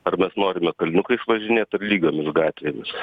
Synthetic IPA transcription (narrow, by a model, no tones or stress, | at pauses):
ɐrmʲɛsnoːɾʲɪmʲɛkɐlʲnʲʊkɐɪɪʃʋɐʒʲɪnʲeːt̪ɐrlʲiːɡoːmʲɪsɡɑːt̪ʲʋʲeːmʲɪs